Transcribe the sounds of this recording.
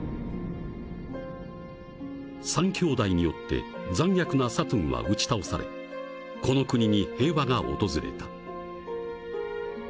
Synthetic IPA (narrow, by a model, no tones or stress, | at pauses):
sãŋkʲo̞ːd̪aiɲ̟ijo̞t̪ːe̞̰ | d͡zãɰ̃jakɯ̟nasat̪õɰ̃βa̰ʔɯ̟t͡ɕi̥t̪aosaɾe̞̰ | ko̞no̞kɯ̟ɲ̟iɲ̟ihe̞ːβaŋao̞̰t̪o̞zɨɾe̞̰t̪ḁ